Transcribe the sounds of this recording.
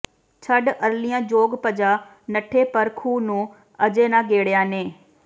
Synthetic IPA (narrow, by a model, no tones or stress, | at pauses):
t͡ʃʰəɖəɾlijãːd͡ʒoːɡpəd͡ʒaː | nəʈʰːeːpəɾkʰuːnũː | əd͡ʒeːnãːɡeːɽjãːneː